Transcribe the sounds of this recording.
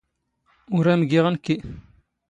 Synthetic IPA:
uɾamɡiʁənki

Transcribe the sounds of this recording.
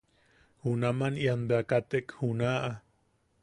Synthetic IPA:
hunamanianbeakat̪ekhunaʔa

